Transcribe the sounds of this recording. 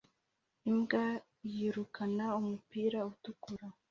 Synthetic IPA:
imɡa | jiːɾukʰanaumupiːɾautukuɾa

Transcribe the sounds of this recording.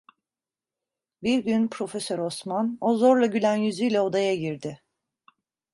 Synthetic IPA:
biɾɟynpʰɾo̞fe̞sø̞ɾo̞smano̞zo̞ɾlˠaɟylʲænjyzyjlʲɛo̞d̪ajaɟiɾd̪ɪ

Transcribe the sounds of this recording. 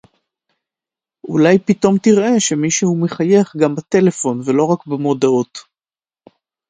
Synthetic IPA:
ʔṵlajpito̞mtiʁʔe̞ʃemiʃuhumeχaje̞χɡambat̪e̞le̞fo̞nvelo̞ʁakbamo̞daot

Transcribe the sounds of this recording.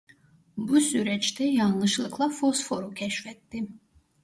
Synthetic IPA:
busyɾɛt͡ʃt̪ʰɛjɑnlˠɯʃlˠɯkʰlˠafosfo̞ɾucʲʰɛʃfɛt̪ːim

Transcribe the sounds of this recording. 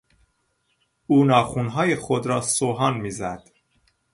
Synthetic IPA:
uːnɒːxuːnɦɒːjexod̪ɾɒːsoɦɒːnmiːzæd̪̥

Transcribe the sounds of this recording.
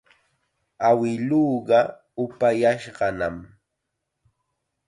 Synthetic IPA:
awɪluːɢɑ | ʊpajaʃɢɑnam

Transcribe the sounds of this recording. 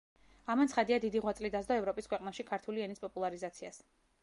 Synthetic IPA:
amant̪sχad̪iad̪id̪iʁwat̪sʼlid̪azd̪ɔɛvɾɔpʼiskʰwɛqʼnaʃikʰaɾt̪ʰuliɛnispʼɔpʼulˠaɾizat̪sʰia̰s

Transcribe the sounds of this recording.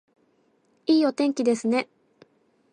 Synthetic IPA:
iːo̞t̪ẽ̞ŋkʲid̪e̞sɨne̞

